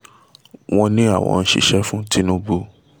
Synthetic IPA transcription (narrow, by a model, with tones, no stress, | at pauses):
w̃ɔ̃˧nĩ˦a˦˨w̃ʔɔ̰̃˧n̩˦ʃḭ˧˨ʃɛ˦fũ˦ti˦nũ˦bu˧˦